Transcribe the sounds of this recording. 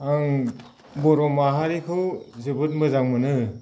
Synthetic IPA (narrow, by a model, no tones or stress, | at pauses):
aŋ | bɔɾɔmaɦaɾikʰɯwzɯbɯt̚mɯzaŋmɯnɯ